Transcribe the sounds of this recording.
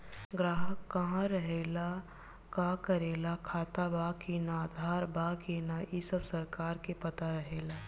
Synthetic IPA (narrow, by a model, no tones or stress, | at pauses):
ɡɾaːɦəkːɐɦãɾəɦeːla | kakəɾeːlakʰaːt̪abakenad̪ʱaːɾbakenajisəbsəɾkaːɾkepɐt̪aɾəɦeːla